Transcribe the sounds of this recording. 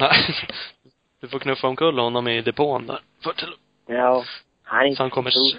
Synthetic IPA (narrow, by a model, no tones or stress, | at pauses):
næɪ | d̪̥ɵfoɾkʰnɵfːaɔmkʰɵlːhɔnːɔmɪd̪ɛpʰoːnd̪æ̰ːɾ | fɑʈʰɛl | a | hasɔhankʰɔmːə